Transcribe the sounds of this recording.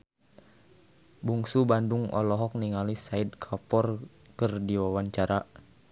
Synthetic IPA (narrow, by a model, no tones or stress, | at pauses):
buŋsubanduŋɔ̰lɔɦɔk̚niŋalisaid̚kʰapɔr | kərdiwawaɲt͡ʃaɾa